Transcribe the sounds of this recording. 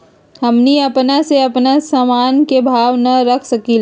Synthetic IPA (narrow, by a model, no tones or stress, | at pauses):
ɦɐmniɐpnaseɐpnasamaːnkebʱaːʋnɐɾɐkʰsɐkil